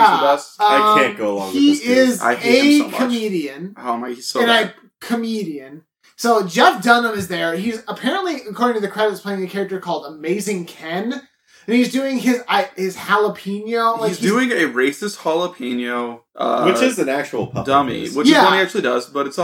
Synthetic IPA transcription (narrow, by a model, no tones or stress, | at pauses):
bʌsʌaɪkʰæ̃nɡ̥oʊəlɔ̰̃ŋiɪza̰ɪɨkʰɨmiɾiɨ̃noʊ̃maɪ̥sɨ̃nɨ | kʰɨmiɾiɨ̃n | soʊd͡ʒɛfdʌnə̃mɨzðə˞izəpʰɛɹɨ̃nʔˡliɨkʰɔɹɾɪ̃ŋtʰɨðɨkʰɹ̥ɛɾɨttspʰleɪɪ̃ŋðɨkʰɛɹɨk̚tə˞kʰɔlˠdəmeɪzɪ̃ŋkʰɛ̃n | ɨ̃nizdʉɪ̃ŋɪzaɪhɪz̥hælˠəpʰĩnjoʊlaɪzdʉɪ̃ŋɨɹeɪsɨst̚hɑlˠəpʰẽɪ̃njoʊʔʌ̰wɨt͡ʃɪzɨ̃næk̚t͡ʃul̩ˠpʰʌ̰dʌmḭwɪt͡ʃjæʌ̃miæk̚t͡ʃʉl̩ˠidʌzb̥ʌɾɨts